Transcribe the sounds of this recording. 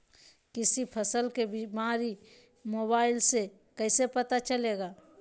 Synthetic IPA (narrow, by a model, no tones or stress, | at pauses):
kɪsipʰəsəlkebimaːɾi | moːbaːɪlse | kəɪsepət̪at͡ʃəleːɡaː